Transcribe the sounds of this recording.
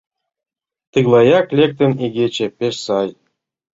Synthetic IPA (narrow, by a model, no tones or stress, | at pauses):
t̪ɨɣlˠɑjɑklʲek̚t̪ə̆niɣet͡ɕĕpeʃsɑj